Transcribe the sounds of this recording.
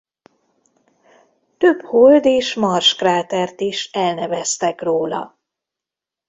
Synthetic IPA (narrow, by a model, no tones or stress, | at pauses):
t̪øbhold̪eːʃmɒrʃkraːt̪ɛrt̪iʃɛlnɛvɛst̪ɛkroːlɒ̰